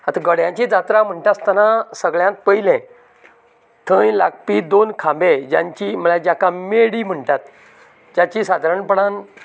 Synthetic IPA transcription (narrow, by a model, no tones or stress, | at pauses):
at̪aɡəɽjãɲt͡ɕid͡zat̪ɾam̤əɳʈast̪anãsəɡɭjãnt̪̚pəjlɛ̃ | t̪ʰə̃jla̰k̚pid̪onkʰãmbẽd͡ʑã̰ɲt͡ɕim̤əɭad͡ʑakãmeɽiːm̤əɳʈ̪at̪ | d͡ʑat͡ɕisad̪ʱaɾəɳpəɽan